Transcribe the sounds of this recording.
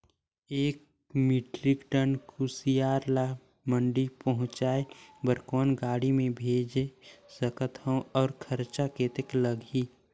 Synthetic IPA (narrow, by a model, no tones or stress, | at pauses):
eːk̚ | miʈɾɪkʈənkʰusijaːɾla | mə̃ɳɖipəɦʊ̃t͡ʃaːebəɾkɔːnɡaːɽimẽbʱeːd͡ʒesəkət̪ə̃ɔːɾkʰəɾt͡ʃaket̪ekləɡʱi